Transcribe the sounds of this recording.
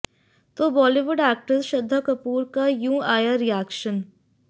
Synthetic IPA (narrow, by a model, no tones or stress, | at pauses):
t̪oːbɔːliʋʊɖɛːk̚ʈəɾʃɐd̪ʱːəkɐpuːɾkajũːaːjaɾijaːkʃən